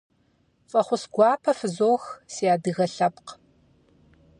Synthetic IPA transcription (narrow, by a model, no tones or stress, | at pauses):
fʼɐχʷʊsɡʷɑːpʰɐfɨzoːxsejaːdɨɣɐɬɐpq